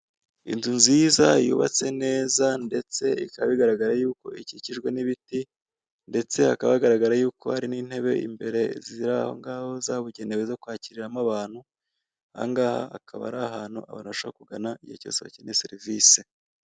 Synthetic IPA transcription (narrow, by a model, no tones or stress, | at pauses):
ḭnzunzizajṵːβa̰t͡se̞ne̞ːzande̞t͡se̞ikaβaβiɡaɾaɡaɾajuːko̞̰iciciʒɡwe̞niβiti | nde̞t͡se̞a̰kaβaɡaɾaɡaɾajuːko̞̰haɾiniːn̥he̞βe̞̰ḭmbe̞ɾe̞ziiɾaho̞̰ŋɡaːho̞zaβuɟe̞neβezo̞kwaːciɾiɾamaβaːn̥hu | a̰ŋɡaːha̰akʰaβa̰ɾaɦaːn̥huʔa̰βa̰ːnuβaʃoakuɡanaijo̰co̞̰se̞βa̰ciinesḛɾivise